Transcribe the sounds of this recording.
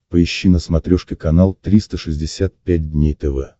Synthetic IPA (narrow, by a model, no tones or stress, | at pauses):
pəɪɕːinəsmɐt̪ɾʲoʂkʲɪkɐnalˠt̪ɾʲist̪əʂɨzʲdʲɪsʲat̪̚pʲæt̚ʲdʲnʲejt̪ɛvɛ